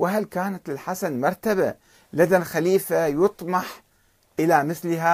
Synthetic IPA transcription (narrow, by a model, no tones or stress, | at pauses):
wɪɦalkaːnat̪ɪlħasanmɑɾˤt̪aba | lad̪alxaliːfajʊt̪ˤmɑħ | ʔɪlamɪθlɪɦa